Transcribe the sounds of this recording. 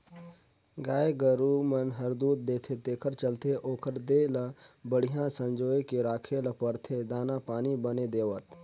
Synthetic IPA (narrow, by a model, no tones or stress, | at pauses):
ɡaːeɡəɾumɐnɦɐɾd̪uːt̪̚d̪eːt̪ʰet̪eːkʰəɾt͡ʃəlt̪ʰeʔoːkʰəɾd̪eːlɐbəɽ̤ɪjãsə̃ɲd͡ʒoːjkeɾaːkʰelɐpəɾt̪ʰed̪aːnapaːnibəned̪eːʋət̪